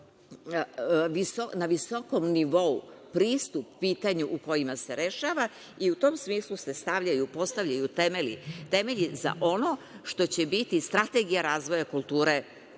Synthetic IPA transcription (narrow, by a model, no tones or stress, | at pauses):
ʋisonaʋiso̞komniʋo̞upɾiːst̪up̚ːiːt̪aɲuʔuko̞jimaseɾe̞ʃaːʋa | iut̪o̞ːmsmiːslˠuse̞st̪aʋʎajupo̞st̪aʋʎʲajut̪emeḭt̪e̞meʎiza̰ʔo̞no̞ | ʃt̪o̞t͡ɕe̞bit̪ist̪ɾat̪eɡijaɾaːzʋo̞jakulˠt̪uːɾe